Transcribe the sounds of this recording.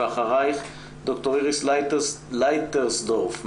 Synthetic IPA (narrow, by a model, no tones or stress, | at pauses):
aχaʁaɪχ | dɔktɔʁɪʁɪslaɪtə | laɪtəʁsdɔʁfm